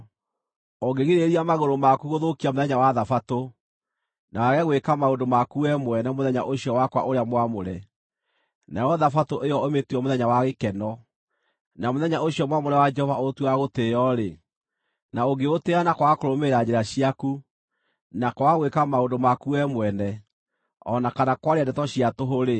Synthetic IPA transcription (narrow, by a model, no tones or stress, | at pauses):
oɡeɣiɾeɾiamaɣoɾomakuɣoðokiamoðɛɲawaðafato | nawaɣɛɣwekamaondomakuɛmwɛnamoðɛɲa̰ʔoɕiɔwakwa̰ʔoɾeamwamoɾɛ | najɔðafatoʔejɔometwɔmoðɛɲawaɣekɛnɔ | namoðɛɲaoɕijɔmwamoɾɛwad͡ʒɛhɔvaotwaɣotejɔɾe | naoɡeoteanakwakoɾomeɾad͡ʑeɾaɕiaku | nakɔaɣwekamaondomakuɛmwɛnɛ | ɔ̰nakanakwaɾeadɛtɔɕiatoɦoɾe